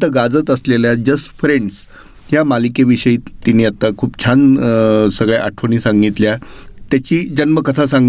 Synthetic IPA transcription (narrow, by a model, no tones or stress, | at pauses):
t̪əɡad͡zət̪əsleljad͡ʑəsfɾeɳɖs | jamalikeʋiɕəiːt̪iniːat̪ːakʰuːpt͡ɕʰansəɡɭeʔaʈʰʋəñiːsãŋɡit̪ljat̪jat͡ɕiːd͡ʑənməkət̪ʰasãŋɡ